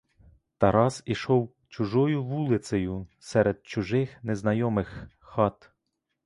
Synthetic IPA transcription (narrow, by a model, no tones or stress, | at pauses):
t̪ɐɾɑziʃɔw | t͡ʃʊʒɔjʊʋulˠɪsɐjʊsɛɾed̪̚t͡ʃʊʒɪxneznɐjɔmɪx | xɑt̪